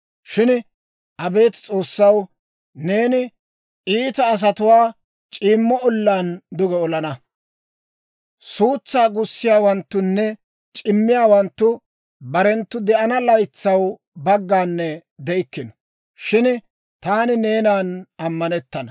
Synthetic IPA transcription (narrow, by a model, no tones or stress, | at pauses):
ʃɪn | ʔɐbe̞ːt̪t͡sʼo̞ːsːɐw | ne̞ːnɪ | ʔiːt̪ɐːs̬ɐt̪ʊwaː | t͡ʃʼiːmːɔɔlːaːnd̪ʊɡɛɔlɐnɐ | suːt͡sːaːɡʊsːɪjaːwɐnt̪ːʊnːɛ | t͡ʃʼɪmːɪjaːwɐnt̪ːʊ | bɐɾɛnt̪ːʊd̪ɛʔɐnɐlɐjt͡sːɐw | bɐɡːaːnːɛd̪ɛɪkːɪnɔ̥ | ʃɪn | t̪aːnɪne̞ːnaːnɐmːɐnɛt̪ːɐnɐ